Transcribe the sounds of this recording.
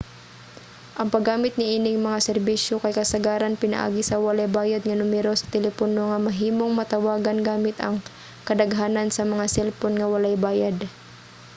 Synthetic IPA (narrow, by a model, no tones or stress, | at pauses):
ʔɐŋpɐɡːaːmɪt̪̚ŋɪʔiːnɪŋmɐŋasɛɾbiʃjokɐjkɐsɐɡaːɾanpɪnɐ̰ʔa̰ːɡɪsɐwɐlajbaːjad̪̚ŋɐnʊmɛɾosɐ̥t̪ɛlɛponoŋɐmɐɦiːmo̞ŋmɐt̪ɐwaːɡɐnɡaːmɪt̪ɐ̰ŋ | kɐd̪ɐɡɦaːnɐnsɐmɐŋasɛlponŋɐwɐlajbaːjad̪